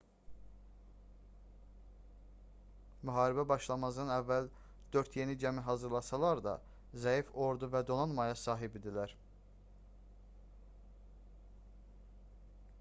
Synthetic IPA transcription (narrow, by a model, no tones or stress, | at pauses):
myɦɑːɾibæbɑʃlˠɑmɑzɯnɯnævːæl | d̪̥ø̞ɾt̪ʰje̞nid͡ʒæmiɦɑzɯɾlˠɑsɑlˠɑɾd̪ɑ̰ | zæjifo̞ɾd̪uvæd̪o̞nɑnmɑjɑsɑːɦibid̪ilæɾ